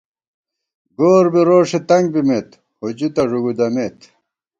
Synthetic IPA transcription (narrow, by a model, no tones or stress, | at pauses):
ɡoːɾbiɾoːʂet̪ɐŋɡ̚bimet̪ | hud͡ʑut̪ɐʐuɡud̪ɐmet̪